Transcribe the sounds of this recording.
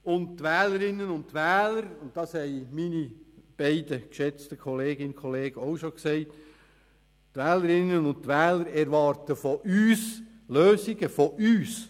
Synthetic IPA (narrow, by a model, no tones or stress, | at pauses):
ʊndtʋɛːləɾɪnːənʊnttʋæːləɾʊnt̚d̥ɑːshɛɪminib̥ɛɪdəkʃɛt͡stəkʰɔleːɡɪnkʰɔleːɡ̥əɔwʃoksɛɪt | tʋɛːləɾɪnːənʊntʋɛːləɾɛɾʋɑːɾtəfɔʔyːs | løːsɪɡəfɔʔyːs